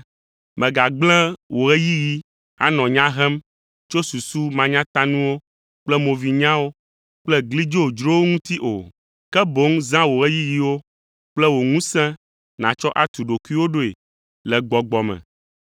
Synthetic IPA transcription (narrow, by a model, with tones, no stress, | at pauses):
mɛ̃˨ɡa˨ɡ͡bl̃ɛ̃˦wʔo˨ɣɛ˦ji˦ji˦ | a̰˦nɔ̃˨ɲã˦ɦɛ˦m | t͡ʃo˦su˨su˦mã˨ɲã˦t̪a˦nũ˦wo˦ | k͡plɛ˦mo˨vi˨ɲã˦wo˦ | k͡plɛ˦ɡli˦d͡ʒo˦o˨d͡ʒɾo˦wo˦ŋũ˦t̪i˦ʔo̰˨ | kɛ˦bo˨˦ŋzã˦wo˨ɣɛ˦ji˦ji˦wo˦ | k͡plɛ˦wo˨ŋũ˦sɛ̃˦ | nã˨t͡ʃɔ˦ʔa˦t̪u˨ɖo˨ku˦i˦wo˦ɖo˦e˨ | lɛ˨ɡ͡bɔ˨ɡ͡bɔ˨mɛ̰̃˨